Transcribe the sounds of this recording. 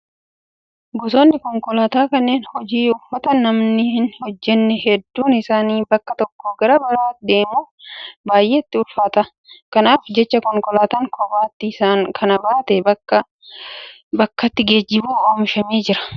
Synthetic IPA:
ɡɔsoːnːɪkɔŋkɔlaːt̪aːkɐnːe̞ːnhɔd͡ʒiːʊfːɐt̪ɐnɐmnɪhɪnhɔd͡ʒːɛnːɛhɛd̪ːuːnɪsaːniːbɐkːɐt̪ɔkːoːɡɐɾɐbɐɾaːtd̪e̞ːmuːbaːjʔe̞ːt̪ːɪʊlfaːt̪ɐ | kɐnaːfd͡ʒɛt͡ʃːɐkɔŋkɔlaːt̪aːŋkʰɔbaːt̪ːɪsaːŋkʰɐnɐbaːt̪ɛɐɐ | bɐkːɐt̪ːɪɡe̞ːd͡ʒːɪbuːoːmɪʃɐmeːd͡ʒɪɾɐ̥

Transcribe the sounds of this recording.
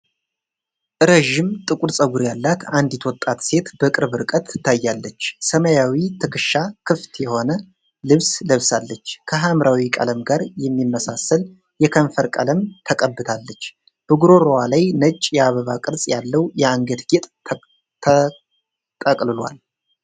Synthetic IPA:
ʔɨɾeʒɪmt̪ʼɨkʷʼuɾsʼəɡuɾjalːat̪and̪jɛt̪ʰwɔt̪ʼːat̪se̞t̪b̥əkʼɨɾβɨɾkʼət̪ʰɨt̪ʰːajːalːət͡ʃːsəməjawit̪ʰɨkʰɨʃːakʰɨft̪ʰjɛho̞nə | lɨβsləβsalːət͡ʃːkʰəɦamɾawikʼə̰ləmɡaɾjɛmːimːəsasəl | jɛkʰənfəɾkʼə̰ləmt̪ʰəkʼəbːɨt̪ʰalːət͡ʃː | b̥əɡuɾo̞ɾowalajnət͡ʃʼjɛaβəβakʼɨɾsʼjalːəwjɛaŋɡət̪ɡet̪ʼ | t̪ʰə | t̪ʼəkʼlɨlwa̰l

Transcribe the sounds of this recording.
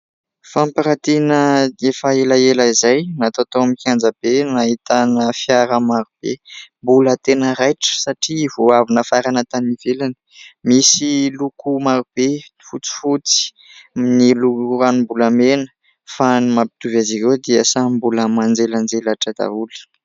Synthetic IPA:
fampaɾat̪inəefaelaelaizajnat̪at̪oamikiand͡zəbenaɦit̪anəfjaɾəmaɾub̥ḛmbulət̪enəɾajʈ͡ʂə̥saʈ͡ʂiːvoavinəfaɾanət̪anivelanə̥misilukumaɾub̥e | fut͡si̥fut͡si̥ | niluuɾanumbulamenə̥ | fanimapi̥t̪uvaziɾewd̪iəsambuləmand͡zeland͡zelaʈ͡ʂad̪a̰uli̥

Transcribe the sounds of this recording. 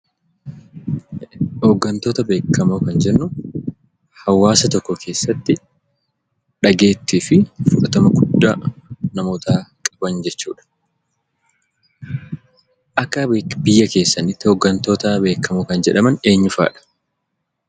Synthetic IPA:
hoːɡːɐnt̪o̞ːt̪ɐbe̞ːkːɐmoːkɐnd͡ʒɛnːʊ | hɐwːaːsɐt̪ɔkːɔkʰe̞ːsːɐt̪ːɪ | ᶑɐɡe̞ːt̪ːiːfɪfʊᶑɐt̪ɐmɐɡʊd̪ːanɐmo̞ːt̪aːkʼɐbɐnd͡ʒɛt͡ʃːuːᶑɐ̥ | ʔɐkːɐbɪjːɐke̞ːsːɐnɪt̪ːɪhoːɡːɐnt̪o̞ːt̪ɐbe̞ːkːɐmoːkɐnd͡ʒɛᶑɐmɐne̞ːɲːʊfa̰ːᶑɐ̥

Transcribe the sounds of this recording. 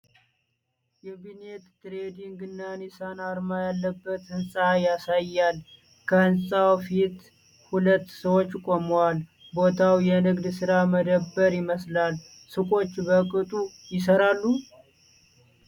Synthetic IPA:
jɛbinet̪t̪ɾed̪iŋɡɨnːanisanaɾmajalːəbːət̪hɨnsʼajasajːal | kʰəɨnsʼawfit̪ | hulət̪ːsəwo̞t͡ʃːkʼoməwal | bo̞t̪ʰawjɛnɨɡd̪sɨɾaməd̪əbːəɾjɪməslal | sɨkʼo̞t͡ʃːbəkʼɨt̪ʼu | jɪs̬əɾalːu

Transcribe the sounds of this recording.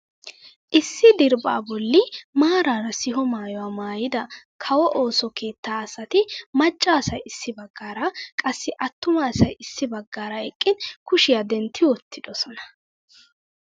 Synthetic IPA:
ʔɪsːɪd̪ɪɾba̰ːbɔlːɪmaːɾaːɾɐsɪɦɔmaːjɔwaːmaːjɪd̪ɐkʰɐwɔʔo̞ːsɔke̞ːt̪ːaːɐsɐt̪ɪmɐt͡ʃʼːaːsɐjɪsːɪbɐɡːaːɾɐkʼɐsːɪʔɐt̪ːʊmaːsɐjɪsːɪbɐɡːaːɾɐɛkʼːɪnkʊʃɪjad̪ɛnt̪ʰːɪwɔt̪ʰːɪd̪ɔsɔnɐ̥

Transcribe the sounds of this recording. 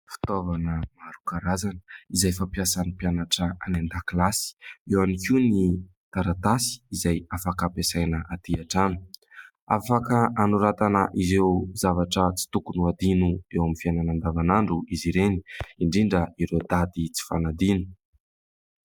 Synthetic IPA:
fi̥t̪ovanəmaɾukaɾazanə̥izajfapjasanipjanaʈ͡ʂəanand̪akilasi̥ewanifuni | t̪aɾat̪asi̥izajafakapesajnəʔat̪iaʈ͡ʂanu̥ | afakəanuɾat̪anəʔizewzavaʈ͡ʂət͡si̥t̪ukunuad̪inuewaminfiajnanand̪avanaɳɖ͡ʐuiziɾeni̥iɳɖ͡ʐiɳɖ͡ʐəiɾewd̪ad̪it͡si̥fanad̪inu̥

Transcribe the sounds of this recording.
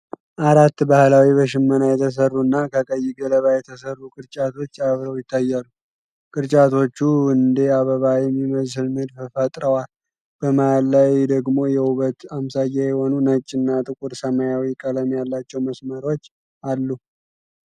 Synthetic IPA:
ʔaɾat̪ːbahlawibəʃɪmːənajɛt̪ʰəs̬ərːuɨnːakʰəkʼəjːiɡələβajɛt̪ʰəsərːukʼɨɾt͡ʃʼat̪ʰo̞t͡ʃːaβɾəwjɪt̪ʰːajːalu | kʼɨɾt͡ʃʼat̪ʰo̞t͡ʃːuɨnd̪e̞aβəβajɛmːiməzɨlmɨd̪fɨfət̪ʼɾəwal | b̥əmaalːajd̪əɡmo̞jɛuβət̪amsajajɛho̞nunət͡ʃʼːɪnːat̪ʼɨkʼuɾsəmajawikʼələmjalːat͡ʃːɛwməsməɾo̞t͡ʃː | alːu

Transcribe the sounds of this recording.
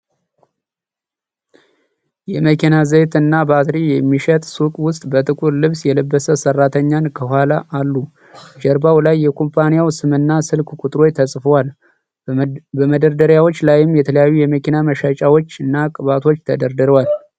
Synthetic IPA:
jɛməkʰinazət̪ɨnːabat̪ɾijɛmːiʃɛt̪ʼsukʼwʊst̪ʼbət̪ʼɨkʼuɾlɨβsjɛləbːəsəsərːat̪ʰəɲːankʰəhʷwalaʔalːu | d͡ʒɛɾbawlajːɛkʰompʰanijawsɨmɨnːasɨlkʰkʼut̪ʼɾo̞jt̪ʰəsʼfəwal | bəməd̪əɾd̪əɾjawo̞t͡ʃːlaajɪmjɛt̪ʰələjajːujɛməkinaməʃat͡ʃʼawot͡ʃːɨnːakʼɨβat̪ʰo̞t͡ʃːt̪ʰəd̪əɾd̪ɨɾwal

